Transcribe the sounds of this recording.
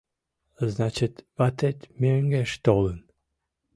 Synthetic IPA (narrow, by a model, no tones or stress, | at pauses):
znat͡ʃɪt̪vat̪et̪ʲmʲeŋɡeʃt̪olˠən